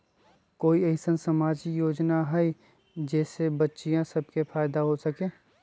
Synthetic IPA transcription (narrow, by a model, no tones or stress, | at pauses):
koːiəɪsənsəmaːd͡ʒijoːd͡ʒnaɦɛi | d͡ʒɛːsebətːʃijãsəb̚kepʰaːɪd̪aɦosəkẽː